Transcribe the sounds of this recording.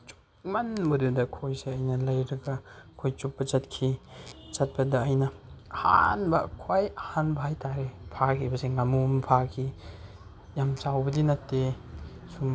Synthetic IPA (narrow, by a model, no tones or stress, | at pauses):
t͡ʃu̥k̚manbɐdudɐkʰojseɐjnɐlɐjɾɐɡɐkʰojt͡ʃuk̚bɐt͡ʃɐt̚kʰit͡ʃɐt̚pɐdɐːjnɐha̰nbɐkʰojɐhanbʱajtaɾepʰakʰibɐseŋamumpʰakʰi | jamt͡ʃawbɐdinɐtːe | sum